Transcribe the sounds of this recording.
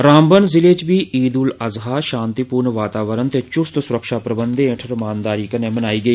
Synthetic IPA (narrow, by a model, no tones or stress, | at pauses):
ɾãːmbənzɪleːt͡ʃʋiːʔiːd̪uːləzɦaːʃãːnt̪ipuːɾɳʋaːt̪aːʋəɾənt̪eːt͡ʃʊst̪sʊɾəkʃaːpɾəbənd̪eẽʈʰəɾmaːnd̪aːɾiːkəneːmənaːiːɡəiː